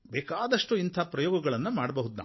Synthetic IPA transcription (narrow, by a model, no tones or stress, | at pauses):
bɛːkaːd̪ɐʂʈuint̪ʰaːpɾɐjoːɡɐɡɐɭɐnːumaːɽɐbɐɦud̪na̰ː